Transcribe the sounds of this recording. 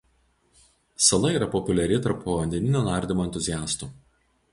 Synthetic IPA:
sɐlˠɐiːɾɐpɔpʲʊlʲɛɾʲɪt̪ɐɾpoʋɐnʲd̪ʲɛnʲɪnʲuːnɑˑɾʲd̪ʲɪmoɛnʲt̪ʊzʲɪjæːst̪uː

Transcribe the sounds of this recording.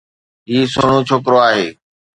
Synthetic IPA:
ɦiːsoːɳ̃õːt͡ʃʰoːkɾoaːɦeː

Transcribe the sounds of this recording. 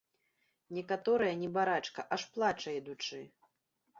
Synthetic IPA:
nʲɛkat̪ɔɾɨjɐnʲɛbaɾat͡ʂkɐʔaʂplˠat͡ʂɐjɛd̪ut͡ʂɨ

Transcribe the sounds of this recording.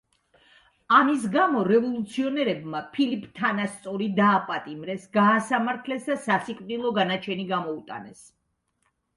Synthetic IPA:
amis̬ɡamɔɾɛvɔlˠut̪sʰiɔnɛɾɛbmapʰilipʰʼt̪ʰanast̪sʼɔɾid̪aːpʼat̪ʼimɾɛsɡaːsamaɾt̪ʰlɛsd̪asasikʼvd̪ilˠɔɡanat͡ʃʰɛniɡamɔut̪ʼa̰nɛs

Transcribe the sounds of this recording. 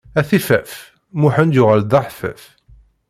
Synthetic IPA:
æθifæf | muħənd̪jʊʁæld̪ˤɑħfæ̰f

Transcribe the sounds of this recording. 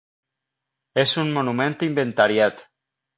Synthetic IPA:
ezunmonumẽnt̪imbent̪aɾjat̪

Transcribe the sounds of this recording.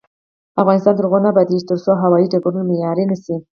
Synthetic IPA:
afɣɑnɪst̪ɑnd̪əɾɣonabad̪iʃt̪əɾsoɦawɑjiɖaɡuɾunamejɑɾenəsi

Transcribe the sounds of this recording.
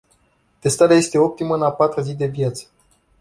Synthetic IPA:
t̪e̞st̪aɾeaje̞st̪e̞o̞p̚t̪iməɨnapat̪ɾuzid̪e̞vjat̪sə̥

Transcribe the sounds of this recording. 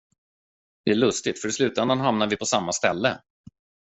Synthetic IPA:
d̪̥ɛæɭɵst̪ɪt̪fœɾɪslʉ̟ːt̪ɛnd̪anɦamnaɾvɪpʰɔsamːast̪ɛlːə

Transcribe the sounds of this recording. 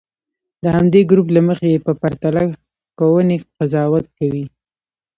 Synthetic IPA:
d̪əhamd̪eɡɾuplaməxejepəpaɾt̪ala | kawəneqazɑwat̪̚kawi

